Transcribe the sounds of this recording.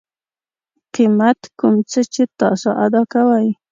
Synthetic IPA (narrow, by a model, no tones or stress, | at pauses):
qɪmat̪kʊmt͡ʃat͡ʃɪt̪ɑ̰ʃaʔad̪ɑkawaj